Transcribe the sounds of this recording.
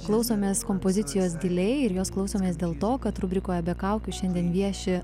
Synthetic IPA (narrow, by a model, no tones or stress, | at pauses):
klˠɐʊsoːmʲeːskoːmpoːzʲɪt̪sʲɪjoːs̬d̪ʲɪlʲɛɪɪɾjoːsklˠɐʊsoːmʲeːsd̪ʲeːlˠt̪oːkɐt̪ɾʊbʲɾʲɪkoːjɛbʲɛkɐʊkʲʊʃʲɛnʲd̪ʲiɛnʋʲiɛʃʲɪ